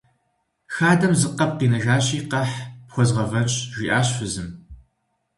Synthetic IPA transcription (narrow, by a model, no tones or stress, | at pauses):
xaːdɐmzɨqɐp̚qiːnɐʒaːɕiːqɐħpxʷɔzʁɐvɐnɕʼʒʷiːʔaːɕfɨzɨm